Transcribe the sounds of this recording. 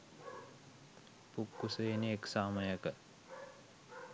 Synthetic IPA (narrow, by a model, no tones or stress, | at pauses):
pukːuseːneeksaːməjəkə